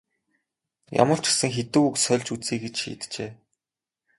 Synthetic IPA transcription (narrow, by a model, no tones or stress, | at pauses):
ja̰mə̆r̥t͡ɕɪ̥̆sɘ̆ŋxet̪ɘ̆kuksœɮʲt͡ɕut͡siːkɡet͡ɕʃḭːt̪t͡ɕeː